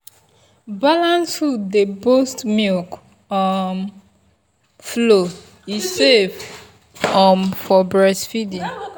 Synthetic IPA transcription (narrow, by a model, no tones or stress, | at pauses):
balãnshudebostmilk | ɔm | flo | isev | ɔmfɔbɹɛsfidĩ